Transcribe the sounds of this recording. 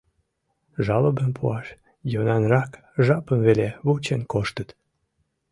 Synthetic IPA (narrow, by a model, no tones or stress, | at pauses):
ʒɑləbəmpʰuɑʃ | jonɑnrɑk | ʒɑpəmveleβut͡ɕenkoʃt̪ət̪